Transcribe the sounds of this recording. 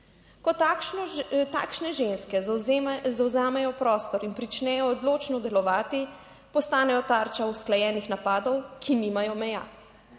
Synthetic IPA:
kɔt | t̪a̰ːkʃnɛʒenskɛ | zawzaːmɛjɔpɾɔːst̪ɔɾinpɾit͡ʃnɛːjɔːd̪loːt͡ʃnɔd̪ɛlɔʋaːt̪i | pɔst̪aːnɛjɔt̪aːɾt͡ʃausklajɛːnixnapaːd̪ɔwkʰiniːmajɔmɛja̰ː

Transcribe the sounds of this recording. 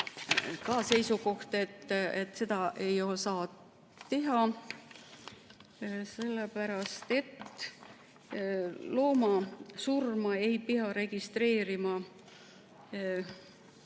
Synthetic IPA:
kɑse̞jsuko̞ht̪e̞t̪ːet̪ːˑse̞d̪ɑʔe̞jo̞lsɑːt̪ | t̪e̞ɦɑ | se̞lːepæɾɑst̪e̞t̪ː | lo̞ːmɑsurmɑe̞jpiɑɾe̞ɡ̥ist̪re̞ːɾimɑ

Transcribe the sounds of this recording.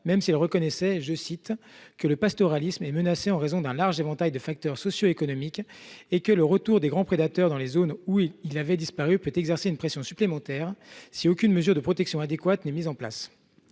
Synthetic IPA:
mɛmsiilʁəkɔnɛsɛʒəsit̪kələpast̪ɔʁalismɛmənaseɑ̃ʁezɔ̃d̪ɛ̃laʁʒevɑ̃t̪ajd̪əfak̚t̪œʁsɔsjoekɔnɔmikʲekələʁət̪uʁd̪eɡʁɑ̃pχed̪at̪œʁd̪ɑ̃lezonuilavɛd̪ispaʁypøt̪ɛɡzɛʁseynpχesjɔ̃syplemɑ̃t̪ɛːʁsiokʲynməzyʁd̪əpχɔt̪ɛksjɔ̃ad̪ekwat̪nɛmizɑ̃pla̰s

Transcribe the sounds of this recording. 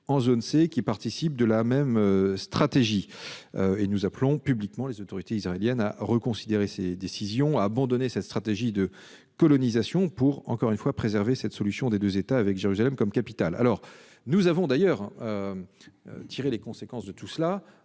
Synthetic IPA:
ɑ̃zonsekʲipaʁt̪isip̚d̪əlamɛmøst̪χat̪eʒiøenuzaplɔ̃pyblikmɑ̃lezot̪ɔʁit̪eisʁaeljɛna̰ʁəkɔ̃sid̪eʁesed̪esizjɔ̃aːbɑ̃d̪ɔnesɛt̪st̪χat̪eʒid̪ə | kɔlɔnizasjɔ̃puʁɑ̰̃kɔʁynfwapχezɛʁvesɛt̪sɔlysjɔ̃d̪ed̪øzet̪aːvɛkʒeʁyzalɛmkɔmkapit̪ala̰lɔʁ | nuzavɔ̃d̪ajœʁø̰ | t̪ʰiʁelekɔ̃sekɑ̃sd̪ət̪usla

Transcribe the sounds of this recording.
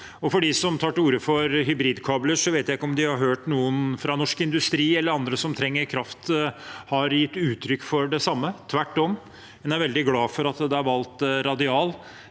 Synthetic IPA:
ɔfɔɖɪsɔmt̪ʰɑːʈuːɾəfɔɾɦʏbɾiːd̪kʰɑːbləʂɔʋeɪt̪jæɪkːəɔmd̪ɪhɑɾɦøːʈnuːənfɾɑnɔʂkɪnd̪ʉst̪ɾiːɛlːəɾɑnd̪ɾəsɔmt̪ʰɾɛŋːəɾkʰɾɑft̪hɑɾjɪt̪ːʉːt̪ʰɾʏkːfɔɖɛsɑmːət̪ʰʋæʈːɔm | ɛnæɾʋɛld̪ɪɡlɑːfɔɾɑt̪d̪ɛæɾʋɑlt̪ɾɑd̪ɪɑːl

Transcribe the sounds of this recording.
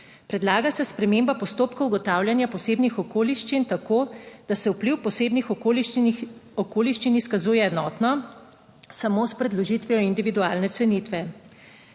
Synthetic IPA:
pɾɛd̪laːɡasɛspɾɛmeːmbapɔst̪oːpkɐuɡɔt̪aːwljanjapɔseːbnixɔkoːliʃt͡ʃint̪akoːd̪̥asɛupliwpɔseːbnixɔol | ɔkoːliʃt͡ʃiniskazuːjɛɛnɔːt̪nɔ | samoːspɾɛd̪lɔʒit̪ʋijɔind̪iʋid̪uaːlnɛt̪sɛnit̪ʋɛ

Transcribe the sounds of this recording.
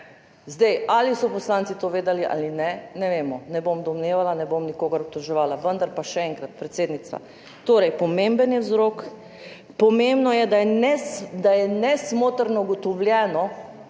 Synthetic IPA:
zd̪ɛjalisɔpɔslaːnt̪sit̪oʋeːd̪aliʔa̰ːlinɛnɛʋeːmɔnɛbomd̪ɔmneːʋalanɛbomnikoːɡaɾɔp̚t̪ɔʒɛʋaːlaʋənd̪aɾpaʃɛɛŋkɾat̪̚pɾɛt̪seːd̪nit̪st̪ʋa̰ | t̪oːɾɛjpɔmembənjɛwzɾok | pɔmembnɔjɛd̪ajɛnɛsd̪ajɛnɛsmoːt̪əɾnɔuɡɔt̪ɔwljɛːnɔ

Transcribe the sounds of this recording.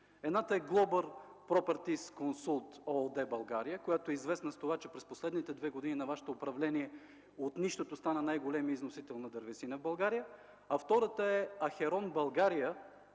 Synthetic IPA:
ɛd̪nat̪əɛɡlˠɔbəɾpɾɔpɛɾt̪iskonsulˠt̪ɔd̪ɛbɐlˠɡaɾijəkojat̪oɛizvɛsnəst̪ovat͡ʃɛpɾɛsposlɛd̪nit̪ɛd̪vɛɡod̪ininɐvaʃɛ̥t̪oːpɾɐvlɛniɛ | ot̪niʃt̪ot̪ost̪anənajɡolɛmiəiznosit̪ɛlˠnɐd̪ɐɾvɛsinəvbɐlˠɡaɾijə | ɐft̪ɔɾət̪əɛɐxɛɾɔnbɐlˠɡaɾijə

